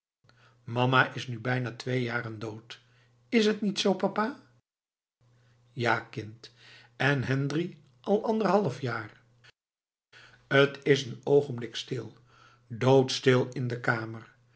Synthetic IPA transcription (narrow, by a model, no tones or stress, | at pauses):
mɑmaʔɪsnybɛjnaːtʋejjaːrəndowt | ɪsɦətnitsowpɑpaː | jaːkɪnt | ʔɛnɦɛndri | ʔɑlˠɑndəɹɦɑlˠəfjaːr | ətɪsənowχənblɪkstɪlˠ | dowtstɪlˠɪndəkaːmər